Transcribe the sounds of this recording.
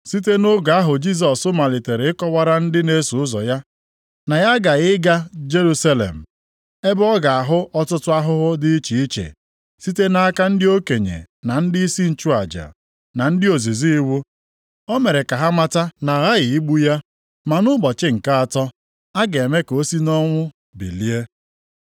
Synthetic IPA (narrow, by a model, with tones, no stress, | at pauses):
si˦t̬e˦nʊ˦ɡa˨a˦ɦʊ˨d͡ʒi˦s̬ɔ˨sʊ˦ma˨lɪ˨te˨ɾe˨˦ɪ˦kɔ˦wa˦ɾa˦n̩˦dɪ˦ne˦su˨ʊ˦zɔ̰˨ja˦ | na˨ja˦ɡa˨ɪ˦ɡa˦d͡ʒe˦ɾu˦sa˦lḛ˨m̩˨ | e˦bɔ˦ɡa˨a˨ɦʊ˦ʔɔ˦tʊ˦tʊ˦a˦ɦʊ˦ɦʊ˦dɪ˦i˦t͡ʃi˨i˦t͡ʃḛ˨ | si˦te˦na˦ka˦n̩˦dɪ˦o˦ke˨ɲḛ˨ | na˨n̩˦dɪ˦i˦si˦n̩˨t͡ʃu˦a˨d͡ʒa̰˨ | na˨n̩˦dɪ˦o˨zi˨zi˦i˦wu˦ | o˦me˨ɾe˨ka˨ɦa˦ma˦ta˦na˨ɣa˦ɣɪ˨i˦ɡ͡bu˦ja˦ | ma˨nʊ˦ɡ͡bɔ˨t͡ʃɪ˦ŋ̩˨ka˦a˨tɔ˦ | a˦ɡe˨e˨me˦ko˦si˦nɔ˦ŋʷʊ˦ | bḭ˨li˦e˦